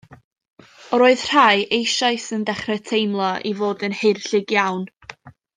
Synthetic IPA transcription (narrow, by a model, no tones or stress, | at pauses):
ɔɾoːɨð̥r̥ajʔejʃajsəndɛχrɛtʰejmlˠɔʔivoːdənhɪrɬɪɡjawn